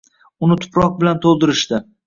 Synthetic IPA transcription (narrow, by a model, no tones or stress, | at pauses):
ʊnɪt̪ʰʊ̥pʰɾɒq̚bɪlant̪ʰolˠd̪ɪɾɪʃt̪ɪ